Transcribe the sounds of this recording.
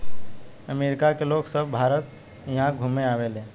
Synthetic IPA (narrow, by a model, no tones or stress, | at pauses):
əmeɾɪkakeloɡsəbbʱaɾət̪̚ | jəɦãɡʱumeaːʋelẽ